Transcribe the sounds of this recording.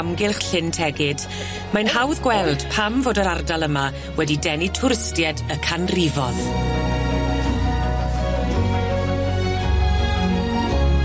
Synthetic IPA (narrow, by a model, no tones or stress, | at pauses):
mɡɪlˠχɬɪntʰɛɡɪd̥ | manhawðɡwɛlˠd̥pʰamvoːdəɾardalˠəma | wɛdidɛnitʰʊɾɪstjɛdəkʰanrivɔð